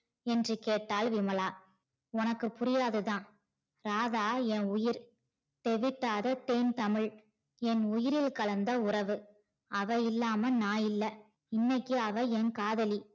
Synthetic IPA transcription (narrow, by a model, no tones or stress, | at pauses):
ɛndrɯkeːʈːaːlʋɪmɐɭaː | ɔnɐkːɯpʊɾɪjaːðɯðãː | ɾaːðaːɛnʊjɪɾ | t̪ɛʋɪʈːaːðɐt̪eːnt̪ɐmɪɭ | ɛnʊjɪɾɪlkɐlɐnd̪ɐʊrɐʋɯ | ɐʋɐɪlːaːmɐnaːjɪlːɐ | ɪnːɐɪkːɯɐʋɐɛnkaːðɐli